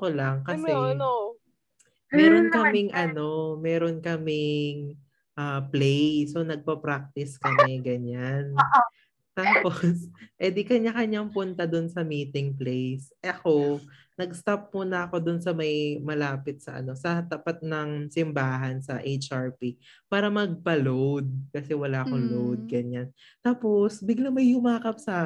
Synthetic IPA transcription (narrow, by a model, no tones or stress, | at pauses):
kolɐŋkɐsɛ | mɛːɾonkkɐmɪŋʔɐno̞mɛːɾonkɐmɪŋ | ʔaːplejso̞nɐɡ̚pɐpɾak̚t̪ɪskɐmɛɡɐɲan | t̪aːposɛd̪ɪkɐɲɐkɐɲaŋpʊnt̪ɐd̪onsɐmiːt̪ɪŋplejsɐko̞ | nɐɡst̪ap̚mʊnɐɐko̞d̪ʊnsɐmɐjmɐlaːpɪt̪̚sɐ̰ʔɐ̰no̞sɐt̪ɐpat̪̚nɐŋsɪmbaːɦɐnsɐʔejt͡ʃʔaɹpipaːɾɐmɐɡ̚pɐlowd̪̚kɐsɛwɐlaʔɐkoŋlowd̪̚ɡɐɲan | t̪aːposbɪɡlaŋmɐjhʊmaːkɐp̚sa